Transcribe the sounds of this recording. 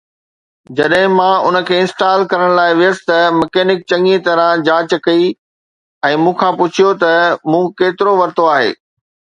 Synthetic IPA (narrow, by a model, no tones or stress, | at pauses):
d͡ʑɐɗɦɪ̃mãʊnə̆kʰeːɪ̃nsʈaːlkɐɾəɽ̃laːɪʋɪjəsɪ̥t̪ɐmɐkeːnɪk̚t͡ɕɐ̃ŋit̪ɐɾãd͡ʑãːt͡ɕkɐi | ɛ̃ːmũːkʰãpʊt͡ɕʰijot̪ɐmũːkeːt̪ɪɾoʋɐɾt̪oaːɦḛː